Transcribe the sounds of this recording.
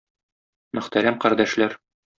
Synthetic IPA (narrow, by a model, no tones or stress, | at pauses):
mɵ̆χt̪æɾæmqɒɾd̪æʃlæɾ